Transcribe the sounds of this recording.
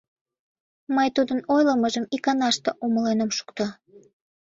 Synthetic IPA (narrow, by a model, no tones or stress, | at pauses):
məjt̪ud̪ənojləməʒəmikɑnɑʃt̪eʔoməlenəmʃu̥kt̪ɑ